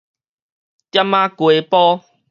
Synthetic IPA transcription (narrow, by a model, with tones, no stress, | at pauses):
t̪ja˦mːã˦kwe˨˦pɔ˦